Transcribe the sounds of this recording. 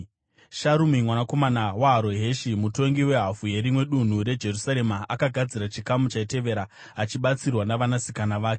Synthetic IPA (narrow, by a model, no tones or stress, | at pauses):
ʃaɾumimwanako̞manawaɦaɾo̞ɦe̞ʃimuto̞ŋɡiwe̞ɦafuje̞ɾimwe̞ɗun̤uɾe̞d͡ʒe̞rusaɾe̞maakaɡʱad͡ziɾat͡ʃikamut͡ʃaite̞ʋe̞ɾaː | t͡ʃiɓat͡sirwanaʋanasikanaʋaːke